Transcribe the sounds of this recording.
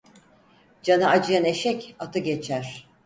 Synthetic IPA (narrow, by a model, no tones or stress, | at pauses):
d͡ʒanɯad͡ʒɯjane̞ʃɛcat̪ʰɯɡe̞t͡ʃʰæɾ̥